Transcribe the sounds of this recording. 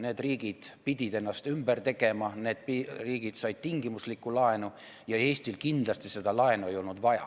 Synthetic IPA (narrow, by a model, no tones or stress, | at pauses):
ne̞ːd̪riːɡ̥id̪̥pid̪̥ʲid̪e̞nːɑst̪ymb̥ert̪e̞ɡ̥e̞mɑne̞ːd̪̥piriːɡ̥id̪̥sɑjd̪̚t̪iŋɡimuslikːˑulɑenu | jɑe̞ːsʲt̪ilkind̪̥lɑst̪ise̞d̪̥ɑlɑe̞nue̞jo̞lnud̪̥vɑjɑ̰